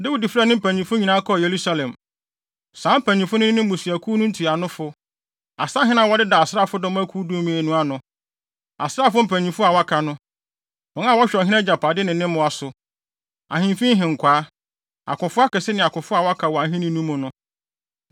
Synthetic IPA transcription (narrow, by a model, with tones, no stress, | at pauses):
de˦wi˦di˨fɾɛ˦˨nɪ̃˦m̩˦˨pʰæ̃˨ɲĩ˨fʊ˦ɲi˨nã˦kʰɔ˦˨je˨ɾu˦sa˦lɛ̃˨m | sãː˨˦m̩˦pʰæ˨ɲĩ˨fʊ˦nʊ̃˦ɪ̃˦m̩˦bʊ̃˨si˨æ˨kʰu˦nʊ̃˦n̩˦tʰi˨a˨nʊ̃˦fʊ˦ | a̰˨sa˦ɦɪ̃˦nã˦wɔ˦dɪ˦da˨a˨sɾa˦˨fʊ˦dɔ̃˦m˦æ˦kʰuː˦du˦mĩ˨e˨nũ˦a˨nʊ̃˨ | a̰˨sɾa˦˨fʊ˦m̩˨pʰæ̃˨ɲĩ˨fʊ˦a˨wa˦kʰa˨nʊ̃˦ | ɔ̃˨n˦ã˦˨wɔ˦ɕᶣɔ˨ɦɪ̃˦ɛ˦d͡ʑa˨pʰa˨dɪ˦nɪ̃˨nːɪ̃˦mʊ̃˨a˨sʊ˨ | a̰˨hɪ̃˨m˦fĩ˦ɦɪ̃˨ŋ̩˨kʰʷaː˨˦ | a̰˨kʊ̃˨fʊ˦a˦kɛ˨sɪ˦nɪ̃˨a˨kʊ̃˨fʊ˦a˨wa˦kʰa˨wɔ˨a˨ɦĩ˦nɪ̃˦nũ˦mʊ̃˨nʊ̃˦